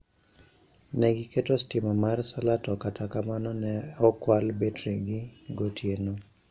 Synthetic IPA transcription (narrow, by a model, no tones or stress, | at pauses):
nɛɡɪketostɪmɔmarsalatɔkatʰakamanɔnɛɔkwalbetɾeɡɪɡotʰjeno